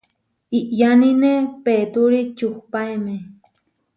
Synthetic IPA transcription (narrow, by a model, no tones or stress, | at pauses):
iʔjaninepeːt̪uɾit͡ʃuχpajme